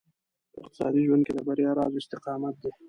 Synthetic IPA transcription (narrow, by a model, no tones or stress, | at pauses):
ɪqt̪ɪ̥sɑ̰ːd̪iʒwand̪̚ked̪əbaɾjɑːɾɑ̰zɪst̪ɪqɑːmat̪̚d̪e